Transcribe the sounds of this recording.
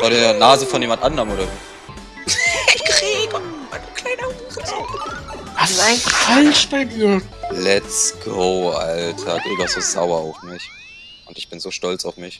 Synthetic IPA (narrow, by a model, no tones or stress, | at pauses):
fɔːdeːɐnaːzəfɔnjeːmandʔandəʁənʔoːɾɐzoː | ɪɡ̥ʁiːbəankʰl̥aɪnɐhuːʁəz̥o | hasaɪnffalʃb̥aɪdiːɐlɛtsɡ̥oʊʔa̰ltʰɐɡ̥ɪɡasz̥oz̥a̰ʊɐaʊfmɪç | ʔʊntɪçb̥ɪnzoːʃtɔlt͡saʊfmɪç